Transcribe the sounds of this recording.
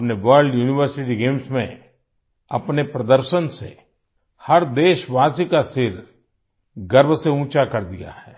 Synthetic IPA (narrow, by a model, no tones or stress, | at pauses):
pneʋəɾɖjuːnɪʋəɾsɪʈiɡeːmsmḛ̃ | ɐpnepɾɐd̪əɾʃənsḛ | hɐɾd̪eːʃʋaːsikasɪɾ | ɡɐɾbʱseũːt͡ʃakɐɾd̪ija̰ɦɛː